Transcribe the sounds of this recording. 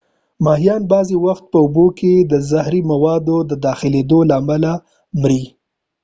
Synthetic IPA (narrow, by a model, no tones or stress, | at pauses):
mɑhijɑnbɑzewaxt̪̚pəʊboked̪əzahɾimawɑd̪od̪əd̪ɑxɪled̪olaːmala | mɾi